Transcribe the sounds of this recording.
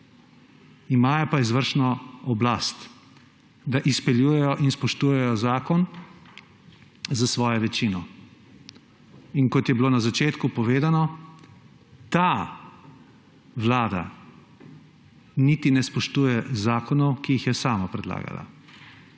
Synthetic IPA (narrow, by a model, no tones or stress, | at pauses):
imaːjɔpaizʋəɾʃnɔɔblast̪ | d̪aʔispɛljujɛjɔʔinspɔʃt̪uːjɛjɔzaːkɔn | zasʋɔːjɔʋɛt͡ʃinɔ | inkɔt̪jɛbiloːnazat͡ʃeːt̪kupɔʋeːd̪anɔ | t̪a | ʋlaːd̪a̰ | nit̪inɛspɔʃt̪uːjɛzaːkɔnɔwkijixjɛsaːmapɾɛd̪la̰ːɡa̰la̰